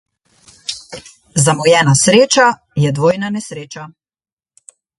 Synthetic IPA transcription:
zamɔjɛːnasɾeːt͡ʃa | jɛd̪ʋoːjnanɛsɾeːt͡ʃa

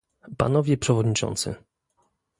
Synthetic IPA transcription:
pa̰nɔvʲjɛpʂɛvɔd̪ɲit͡ʂɔ̰nt̪sɘ̰

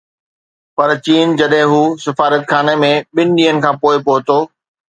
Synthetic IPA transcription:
pɐɾt͡ɕiːnd͡ʑɐɗɦɪ̃ɦuːsɪfaːɾət̪xʰaːnemẽɓɪnɪ̆ɗiːɦənɪ̆kʰãːpoːɪpoːɦɪt̪oː

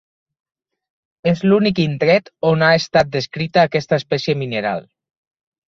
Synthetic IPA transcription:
ezlunikint̪ɾɛt̪onaest̪at̪̚d̪eskɾit̪aːkɛst̪əaespɛsjemineɾa̰l

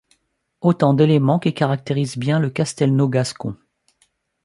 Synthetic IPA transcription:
ot̪ɑ̃d̪elemɑ̃kikaʁak̚t̪eʁizbjɛ̃ləkast̪ɛlnoɡaskɔ̰̃

